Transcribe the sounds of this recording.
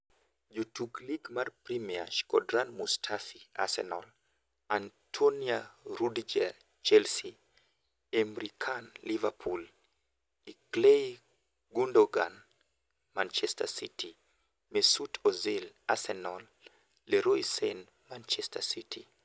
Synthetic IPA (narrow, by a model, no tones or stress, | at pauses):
d͡ʒutʰukliɡmarpɾimia̰ʃkɔdɾanmustʰafia̰sɛ̰nɔl | antʰoniaɾudd͡ʒa | t͡ʃɛlsi | emɾikʰanlivapʰul | iklej | ɡundoɡan | mant͡ʃɛstasitʰi | mesutʰɔzilasɛnɔlː | eɾoisɛn | mant͡ʃɛstasitʰḭ